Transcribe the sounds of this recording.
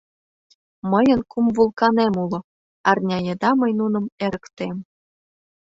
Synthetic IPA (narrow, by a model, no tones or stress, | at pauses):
məjə̆nkumvulˠkɑnemulŏ | ɑrnʲɑjed̪ɑməjnunɤ̆meɾə̆kt̪em